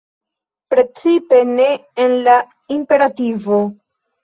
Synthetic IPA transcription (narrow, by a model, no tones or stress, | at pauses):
pɾe̞t͡sipe̞ne̞ːnla | impe̞ɾativo̞